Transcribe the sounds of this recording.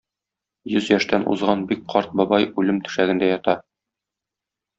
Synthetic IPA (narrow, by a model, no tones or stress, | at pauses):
jɵzjɒʃt̪ænʔṵzʁɑnbik̚qʰɒɾt̪̚bɒbɑjʉlɘmt̪ɵ̥̆ʃæɡɘ̆nd̪æjɒt̪ɑ